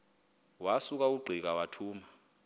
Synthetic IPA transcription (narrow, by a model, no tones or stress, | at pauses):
wasuk̬ʼauɡ͡ǃʱik̬awatʰuːma